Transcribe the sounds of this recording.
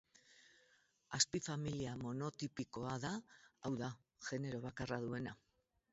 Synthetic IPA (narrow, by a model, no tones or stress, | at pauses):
aspifamiliamo̞no̞t̪ipiko̞aðaawða | ʝe̞ne̞ɾo̞β̞akaraðue̞na